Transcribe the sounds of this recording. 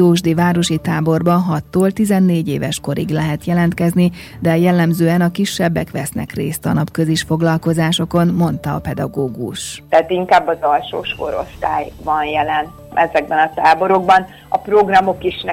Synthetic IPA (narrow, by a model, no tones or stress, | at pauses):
oːʒd̪iːvaːɾo̞ʃit̪aːbo̞rbɒɦɒt̪ːoːlt̪izɛnːeːɟḛːvɛʃko̞ɾḭɡlɛɦɛt̪jɛlɛnt̪kɛzni | d̪ɛjɛlːɛmzøːɛnɒkiʃːɛbːɛkʋɛsnɛ̰krḛːst̪ɒ̰nɒpkø̞ziʃfo̞ɡlɒlko̞zaːʃo̞ko̞nmo̞nt̪ɒːpɛd̪ɒ̰ɡoːɡuʃt̪ɛat̪iŋkaːbːɒzɒlʃo̰ːʃko̞̰ɾo̞̰st̪a̰ːjvɒnjɛlɛn | ʔɛzɛɡ̚bɛnɒt̪aːbo̞ɾo̞ɡ̚bɒn | ɒpro̞ɡrɒmo̞kiʃn